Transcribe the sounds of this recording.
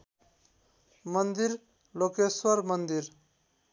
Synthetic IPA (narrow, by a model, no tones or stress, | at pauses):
mʌnd̪iɾ | lokeswʌɾmʌnd̪iɾ